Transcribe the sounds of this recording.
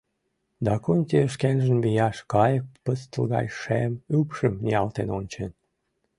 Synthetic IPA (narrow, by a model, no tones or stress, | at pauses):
d̪ɑkunʲt̪ʲiəʃkenʒə̆nβijɑʃkɑjək̚pəst̪əlɣɑ̰jʃemypʃəmnʲiɑlt̪enonʲt͡ɕen